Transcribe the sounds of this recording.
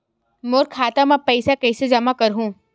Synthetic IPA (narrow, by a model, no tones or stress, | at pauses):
moːɾkʰaːt̪amãpəɪsakɛɪsed͡ʒɐmakəɾɦũː